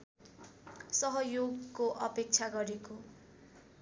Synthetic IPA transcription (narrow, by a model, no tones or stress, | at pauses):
sʌɦʌjoɡkoʔʌpek̚t͡sʰaɡʌɾeko